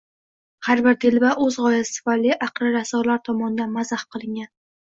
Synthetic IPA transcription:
haɾbɪɾt̪ʰɪlbaʔɵzʁɒjasɪ̥falːɪʔaqɾɪɾasɒlaɾt̪ʰɒmɒnɪd̪anmazahqɨlˠɪŋɡʲan

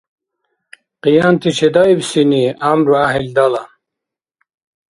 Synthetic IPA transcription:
qijant̪ʰit͡ɕʰed̪ɑjbsiniamɾuaɦild̪ala

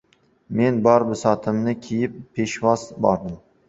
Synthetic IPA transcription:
me̞nbɒɾbɪsɒt̪ʰɪmnɪkʲʰijɪpʰːe̞ʃvɒzbɒɾd̪ɪm

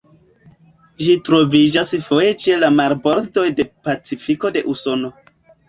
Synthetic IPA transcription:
ʒitɾo̞vid͡ʒasfo̞je̞t͡ʃelamaɾbo̞ɾto̞jde̞pat͡sifiko̞de̞ʔuso̞no̞

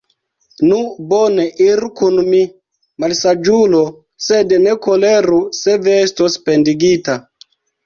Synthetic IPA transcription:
nubɔneʔiɾkunmi | malsad͡ʒulo | sednekoleɾusevɛestospendiɡita

